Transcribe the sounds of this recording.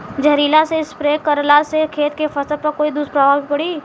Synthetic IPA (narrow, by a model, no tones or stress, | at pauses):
d͡ʒəɾiːlaseɪspɾeːkəɾlasekʰeːt̪kefɐsəpɐɾkoːid̪ʊspɾəbʱaːbipɐɽiː